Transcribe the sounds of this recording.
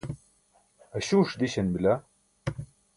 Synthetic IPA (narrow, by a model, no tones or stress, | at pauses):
ɐɕuːʂd̪iɕɐnbilɐ